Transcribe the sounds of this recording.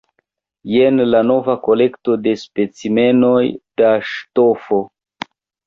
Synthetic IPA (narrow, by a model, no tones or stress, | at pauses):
jenlano̞vako̞le̞kto̞de̞spe̞t͡sime̞no̞jd̥aʃtofo̞